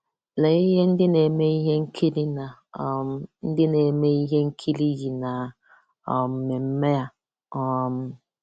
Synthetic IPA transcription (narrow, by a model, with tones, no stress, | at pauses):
le˨i˦ɦe˦n̩˦dɪ˦ne˨me˦i˦ɦe˦ŋ̩˦kʰi˦li˦na˨m˦n̩˦dɪ˦ne˨me˦i˦ɦe˦ŋ̩˦kʰi˦li˦d͡ʒi˨na˨ | ɔ˨m̩˨mɪ˨m̩˦me˦a˦ | ɔ˦m̩˦